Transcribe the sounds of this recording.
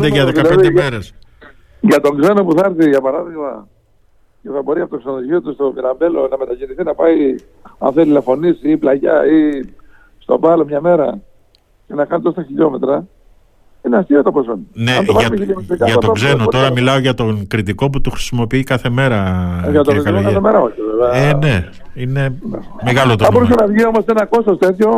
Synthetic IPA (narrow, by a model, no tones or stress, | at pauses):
d̪eʝɐðekɐpleðid̪emeɾes | ʝɐt̪o̞ŋɡze̞no̞puθɐɾθiʝɐpɐɾɐðiɣmɐ | ceθɐbo̞ɾiɐpot̪oksenoðoʝiot̪ust̪o̞viɾɐmbe̞lo̞nɐme̞t̪ɐʝiniθinɐpɐi | ɐ̰nθelilefo̞nisiplɐʝɐi | st̪o̞̰bɐlomɲɐme̞ɾɐ | ce̞nɐkɐnit̪ost̪ɐçiʎo̞me̞t̪ɾɐ | ineɐst̪iot̪oposonineɐmoɐʝɐmeiʎomst̪ikɐʝɐɐt̪oɡze̞not̪o̞ɾɐmilɐo̞ʝɐt̪o̞ŋkɾit̪iko̞p̬ut̪uxɾisimo̞piikɐθe̞me̞ɾɐʝɐt̪oɾit̪nkɐθemeɾɐoçeveveɐene̞ | ine̞ | meɣɐlot̪oɐbo̞ɾus̬ɐnɐvʝio̞mo̞senɐko̞st̪o̞st̪e̞t̪ço̞